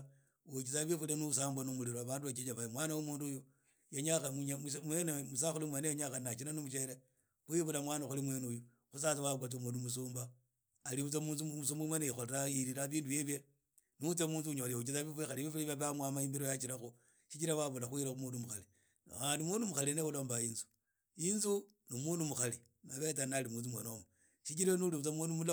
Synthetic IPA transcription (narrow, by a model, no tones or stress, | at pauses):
ot͡ʃit͡saβifulenusaːmbwanumuliɾoaβaːnduβat͡ʃet͡ʃaβaimwanawomuːndujo | jeɲaxaɲamwenemusaxulimwenejoɲaxannat͡ʃinanomuʃeɾe | uiβulamwaːnaxulimwenuju | xus̬at͡sawaɡwat͡s̬umundumusuːmbaː | liβut͡samuːnsumusuːmbumweneixolɾaiɾiɾaβiːndujeβje | nut͡semuːnzuɲoliut͡ʃit͡saβifixaliβifuliβaβamwamaimbiɾojat͡ʃiɾaxu | ʃit͡ʃiɾawaβulaxuiɾaumuːndumuxali | aːndimundumuxaleneuloːmbaiːnzu̥ | inzu | numuːnumuxali | naβet͡sanalimuːnzumwenomo | ʃikiɾanuliβut͡samwunumul